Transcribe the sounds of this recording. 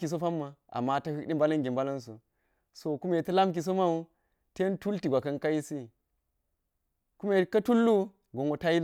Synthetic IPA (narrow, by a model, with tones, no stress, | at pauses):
ki˨s̬o˦fa˦mːa˨a̰˨mːa˦tɐ˦hi˦kɗi˦mba˦lɐ˦ŋɡʲi˨mba˦lɐ˦ns̬ṵ˨ | so˨ku˦me˨tɐ˦la˦mk̬i˨s̬o˦ma˦u˦ | te˦n˦tu˦lti˨ɡʷa˨kɐ˦nka˦ji˦si˦ | ku˦me˨kɐ˦tu˦lːu˦ | ɡo˨ŋɡo˨ta˦ji˦l